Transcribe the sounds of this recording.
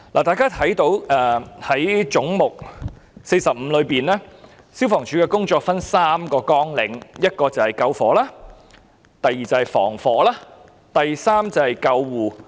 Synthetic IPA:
la̰ː˨t̪aː˨˩kaː˥t̪ʰɐ˨˥jt̪o˨˧˥wɛː˨˧hɐ˨˥jt͡sʊ˨˥ŋmʊ˨k̚ | se˧jsɐ˨p̚m̩˨˧˥lɵ˨˧ɥpiː˨˩nlɛː˥ | si˥wfɔː˨˩ŋt͡ʃʰyː˨˥kɛː˧kʊ˥ŋt͡ʃɔː˧k̚fɐ˥nsaː˥mkɔː˧kɔː˥ŋlɪ˨˧ŋjɐ˥t̚kɔː˧t͡sɐ˨˩whɐ˨jkɐ˧wfɔː˨˥laː˥ | t̪ɐ˨jːiː˨t͡sɐ˨˧whɐ˨jfɔ̰ː˨˩ŋfɔː˨˥laː˥ | t̪ɐ˨jsaː˥mt͡sɐ˨˩whɐ˨jkɐ˧wːuː˨˩

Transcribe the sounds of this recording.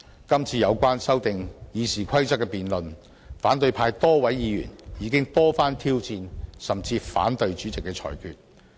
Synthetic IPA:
kɐ˥mt͡sʰiː˧jɐ˨˧wkʷaː˥nsɐ˥wt̪ɪ˨ŋjiː˨˧siː˨˩kʷʰɐ˥jt͡sɐ˥kːɛ˧piː˨nlɵ˨n | faː˨˥nt̪ɵ˧ɥpʰaː˧jt̪ɔː˥wɐ˨˥jjiː˨˧jy̰ː˨˩njiː˨˥kɪ˥ŋt̪ɔː˥faː˥nt̪ʰiː˥wt͡siː˧nsɐ˨mt͡siː˧fa̰ː˨˥nt̪ɵ˧ɥt͡ʃyː˨˥t͡sɪ˨kːɛː˧t͡sʰɔ̰ː˨˩jkʰy̰ː˧t̚

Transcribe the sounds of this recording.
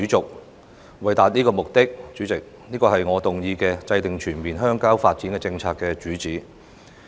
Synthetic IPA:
t͡sʊ˨k̚ | wɐ˨˩jt̪aː˨t̚niː˥kɔː˧mʊ˨k̚t̪ɪ˥k̚t͡ʃyː˨˥t͡sɪ˨k̚ | niː˥kɔː˧hɐ˨jŋɔː˨˧t̪ʊ˨ŋjiː˧kɛː˧t͡sɐ˧jt̪ɪ˨ŋt͡ʃʰyː˨˩nmiː˨nɦœː˥ŋkaː˥wfaː˧t̚t͡siː˨˥nkɛː˧t͡sɪ˧ŋt͡sʰaː˧kːɛː˧t͡ʃyː˨˥t͡siː˨˥

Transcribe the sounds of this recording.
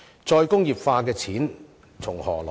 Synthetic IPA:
t͡sɔː˧jkʊ˥ŋjiː˨p̚faː˧kɛː˧t͡sʰiː˨˥n | t͡sʰʊ˨˩ŋhɔː˨˩lɔː˨

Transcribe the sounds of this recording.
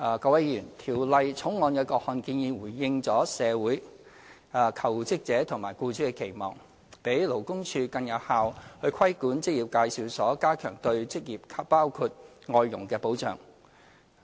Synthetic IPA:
kɐ˧wɐ˨˥jjyː˨˩nt̪ʰiː˨˩wlɐ˨˧jt͡sʰʊ˨˥ŋŋɔː˨˧nkɛː˧kɔː˧k̚hɔː˨˧nkiː˧njiː˨˧wuː˨˩jːɪ˧ŋt͡sɔː˨˥sɛː˨˧wuː˨˥j | kʰɐ˨˩wt͡sɪ˥k̚t͡sɛː˨˥t̪ʰʊ˨˩ŋmaː˨˩jkuː˧t͡ʃʰyː˨˥kɛ˧kʰe˨˩jmɔ̰ː˨˩ŋ | pe˨˥jlo˨˩wkʊ˥ŋt͡ʃʰyː˧kɐ˧njɐ˨t̚haː˨˧whɵ˧ɥkʰɐ˥jkuː˨˥nt͡sɪ˥k̚jiː˨p̚kaː˧jsiː˨˧wsɔː˨˥kaː˥kʰœ̰ː˨˩ŋt̪ɵ˧ɥt͡sɪ˥k̚jiː˨˩p̚kʰaː˧˥pːaː˥wkʰuː˧t̚ | ŋɔː˧jːʊ̰˨˩ŋkɛː˧po˨˥wt͡ʃœ̰ː˨˩ŋ

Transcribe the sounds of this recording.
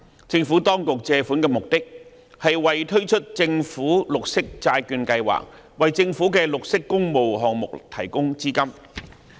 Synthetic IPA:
t͡sɪ˧ŋfu˨˥t̪ɔː˥ŋkʊ˨k̚t͡sɛː˧fu˨˥nkɛː˧mʊ˨k̚t̪ɪ˥k̚ | hɐ˨jwɐ˨jt̪ʰɵ˥ɥt͡ʃʰɵ˥t̚t͡sɪ˧ŋfuː˨˥lʊ˨k̚sɪ˥k̚t͡saː˧jkyː˧nkɐ˧jwa̰ː˨˩k̚ | wɐ˨jt͡sɪ˧ŋfuː˨˥kɛː˧lʊ˨k̚sɪ˥kːʊ˥ŋmo˨wɦɔː˨ŋmʊ̰˨k̚t̪ʰɐ˨˩jkʊ˥ŋt͡siː˥kɐ˥m

